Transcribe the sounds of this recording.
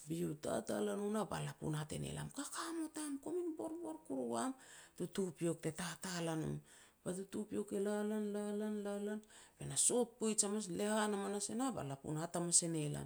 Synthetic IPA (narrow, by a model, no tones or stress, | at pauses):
biuta̰ta̰lanunaba̰lapṵnate̞̰nḛla̰mkakamotankominboɾboɾkuɾuamtutupio̞k̚te̞tatalanṵn | b̥atutupio̞kelalanlalanlalanbe̞nasopːojt͡ʃamasle̞hanamanasenaba̰lapṵnatamasene̞la̰n